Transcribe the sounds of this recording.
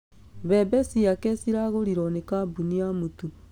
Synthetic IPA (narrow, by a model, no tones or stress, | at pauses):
βebesiakesiɾaɣoɾiɾonekabuniamutu